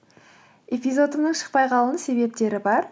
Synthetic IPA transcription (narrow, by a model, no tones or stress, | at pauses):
e̞pizo̞d̪əmnəɴʃə̥qpɑjqʰɑlˠənse̞be̞p̚t̪e̞ɾɪbɑɾ